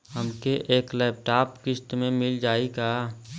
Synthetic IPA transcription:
həmkeʔeːklɛːp̚ʈaːpkɪsʈ̪mẽmɪld͡ʒaːikaː

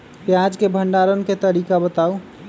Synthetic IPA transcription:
pjad͡ʒkebʱəɳɖaːɾənket̪əɾiːkabət̪aːu

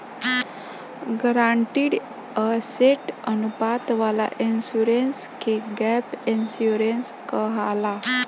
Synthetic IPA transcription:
ɡɾaɳʈiːɽ | əseʈənupat̪ʋala̰ʔinsuɾenskeɡɛpinsuɾenskəɦala

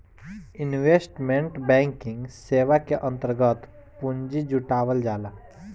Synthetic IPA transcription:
ɪnʋesʈmẽɳʈbɛ̃ːŋkɪ̃ŋɡseːʋakeʔə̃nt̪əɾɡət̪ | puɲd͡ʒid͡ʒuʈaːʋəld͡ʒaːla

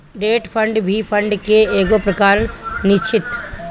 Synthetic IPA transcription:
ɾeːʈpʰə̃ɳɖbʱipʰə̃ɳɖkeeːɡopɾəkaːɾnɪt͡ʃʰɪt̪

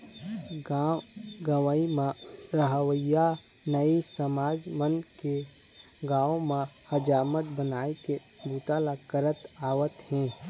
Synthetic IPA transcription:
aɡəʋəimãɾəɦəwəja | nəisəmaːd͡ʒmənke | ɡãːõmahəd͡ʒaːmət̪̚bənaːeke | bʱut̪alakəɾət̪aːwət̪ɦɛ̃ː

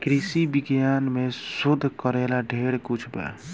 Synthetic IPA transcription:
kɾisibiɡjanmesud̪ʱːkəɾelaɖʱeɽkut͡ʃʰba̰

